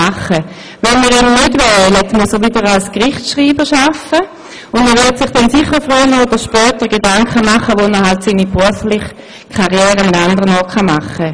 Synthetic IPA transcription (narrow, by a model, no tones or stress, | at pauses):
aχə | vɛnmiːʁimnɪdvɛlətmusəʋidəʁalskʁɪχtʃʁiːbəʃafə | ʊndməʋɪɐtsɪχd̥ɛnsɪχəfʁyːnəodəʁʃpœːtəʁɡedaŋkχəmaχəʋonəɦaltsiːnibʁuɐflɪχ | kʰaʁjɛːʁəmɪtandəʁənɔːtχamaχə